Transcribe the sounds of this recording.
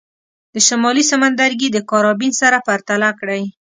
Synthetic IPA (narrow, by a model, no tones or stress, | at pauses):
d̪əʃamɑlisamand̪aɾɡid̪əkɑɾɑbinsaɾapaɾt̪alakɽaj